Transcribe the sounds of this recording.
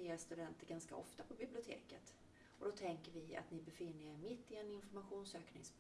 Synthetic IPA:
eːst̪ɵd̪ɛnt̪əɾɡanska̰ʔɔ̰ft̪apʰɔbɪblɪʊt̪ʰḛːkət̪ | ɔd̪ɔt̪ʰɛŋkəɾvɪa̰t̪nɪbɛfɪnːəɛɾmɪt̪ːɪɛnɪnfɔɾmaɧuːnsøːknɪ̰ŋs

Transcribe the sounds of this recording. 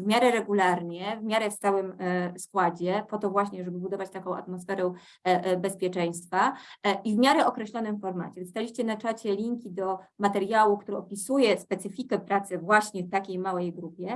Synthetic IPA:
vmʲjaɾɛɾɛɡulaɾɲɛvmʲjaɾɛft̪awɘmskwad͡ʑɛpɔt̪ɔvwaɕɲɛʐɛbɘbud̪ɔvat͡ɕt̪akɔ̃w̃a̰t̪mɔsfɛɾɛ | bɛspʲjɛt͡ʂɛj̃st̪faivmʲjaɾɛɔkɾɛɕlɔnɘmfɔɾma̰t͡ɕɛst̪alʲiɕt͡ɕɛnat͡ʂat͡ɕɛlʲiŋkʲid̪ɔmat̪ɛɾjawukt̪uɾɛɔpʲisujɛspɛt̪sɘfʲikɛpɾat̪sɛvwaɕɲɛft̪akʲejmawɛjɡɾupʲjɛ

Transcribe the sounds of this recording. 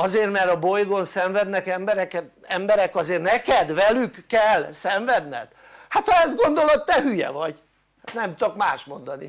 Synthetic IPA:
ɒzeːrmɛɾɒbo̞jɡo̞nsɛɱvɛd̪nɛkɛmbɛɾɛkɛɛmbɛɾɛkɒzeːrnɛkɛd̪vɛlykːɛlsɛɱvɛd̪nɛ̰t̪ | hat̪hɒɛzɡo̞nd̪o̞lo̞t̪ːɛɦyjɛ̰vɒɟ | hat̪nɛmt̪okmaːʃmo̞nd̪ɒnḭ

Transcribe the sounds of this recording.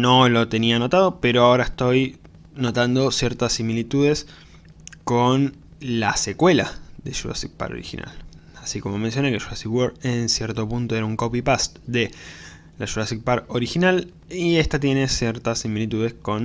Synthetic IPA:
no̞lo̞t̪e̞niano̞t̪aðo̞peɾo̞ao̞ɾaest̪o̞j | no̞t̪and̪o̞sje̞ɾt̪asimilit̪uðe̞s | kon | lase̞kwe̞laðeʃua̰sik̚pa̰ɾo̰ɾḭxḭnʔa̰lasiko̞mo̞mens̬jo̞nekeʃuasiwoɾensjeɾt̪o̞punt̪oeɾauŋko̞pipast̪d̪e̞ | laʃuɾasik̚paɾo̞ɾixinal | ie̞st̪at̪je̞ne̞sjeɾt̪asimilit̪uðe̞sko̞n

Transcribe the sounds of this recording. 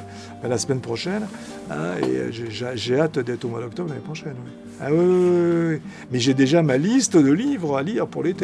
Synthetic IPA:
b̥ãlasmɛnpχɔʃɛn | ã̰ḛø̰ʒeʒaʒeat̪d̪ɛt̪χomwad̪ɔk̚t̪ɔbʁlanepχɔʃɛnwɛ | a̰wiwiwiwi | mɛʒed̪eʒamalist̪əd̪əlivʁaliʁpuʁlet̪e

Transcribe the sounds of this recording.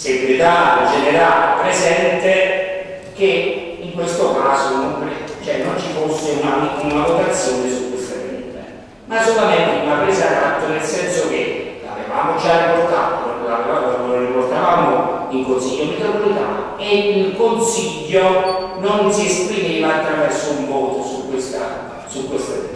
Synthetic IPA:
seɡuɾit̪aːled͡ʒɛneɾaːlepɾezɛnt̪e | k̟e | iŋkwest̪okaːsononpɾt͡ʃoɛnːont͡ʃifosːeunaiunavok̪at̪sːjoːnesud̪ifenɛ̰nt̪ḛ | masolamɛnt̪ɪunapɾeːzad̪at̪ːonelsɛnsok̟ela̰veva̰ːmod͡ʒariport̪a̰ːt̪olavevaːmoonriport̪avaːmoiŋkonsiʎːomit̪ɾopolit̪a̰ | eilkonsiʎːo | nonsiespɾimeːvaːt̪ːɾavɛrsːoumvɔːt̪sukːwest̪a̰ | sukːwelfɾḛɛ̰

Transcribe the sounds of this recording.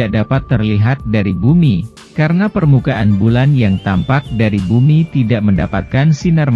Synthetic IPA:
aʔdapat̪ːərliɦat̪̚daɾibumi | kaɾənapərmukaʔanbulanjaŋt̪ampak̚daɾibumit̪idaʔmənda̰pa̰t̪̚kansinarm

